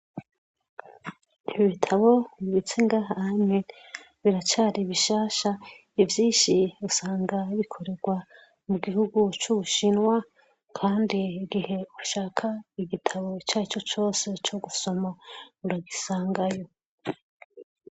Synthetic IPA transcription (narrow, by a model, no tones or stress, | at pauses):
iiβitʰaβo̞βiβit͡seŋɡaːɦahamŋe | βiɾat͡ʃaːɾiβiʃaːʃa | ivjiːnʃiusaːŋɡaβikʰo̞ɾe̞ɾɡwa | muɡihuɡut͡ʃuβuʃinwa | kʰaːndiɡihe̞uʃaːkʰaiɡitʰaβo̞t͡ʃaːit͡ʃo̞t͡ʃo̞ːse̞t͡ʃoɡuso̞mauɾaɡisaːŋɡajo̞